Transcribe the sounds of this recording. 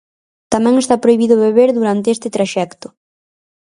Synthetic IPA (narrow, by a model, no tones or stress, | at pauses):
t̪amɛ̃ŋest̪apɾojβiðʊβeβeɾðuɾant̪eest̪ɪt̪ɾaʃɛkt̪ʊ̥